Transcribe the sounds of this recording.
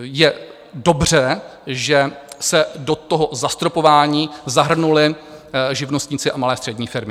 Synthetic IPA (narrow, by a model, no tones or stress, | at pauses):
jɛ | do̞br̝ɛʒɛsɛdo̞t̪oɦozast̪ɾo̞po̞vaːɲiːzaɦr̩nulɪʒɪvnost̪ɲɪːt͡sɪʔamalɛːst̪r̥ɛdɲiːfɪɾmɪ